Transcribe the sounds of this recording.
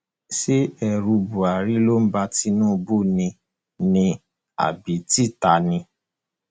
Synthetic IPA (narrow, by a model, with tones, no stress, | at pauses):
si˦ɛ˧ɾu˧bu˨a˨ɾi˦lo˦m̩˦ba˧ti˧˦nũː˦˧bo˦˨nĩ˧ | nĩ˧ | a̰˨bi˨˦ti˦˨ta˨nĩ˧